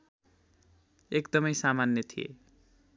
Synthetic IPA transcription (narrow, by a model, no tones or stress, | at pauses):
ekd̪ʌmʌjsamanjʌt̪ʰijḛ